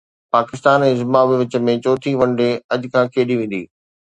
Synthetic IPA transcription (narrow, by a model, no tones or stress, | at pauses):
paːkɪst̪aːnɛ̃ːzɪmaʋɪʋɪt͡ɕə̆mẽt͡ɕoːt̪ʰiʋɐ̃ɳɖeɐʄʊkʰãːkʰeːɗiʋẽːn̆d̪ḭː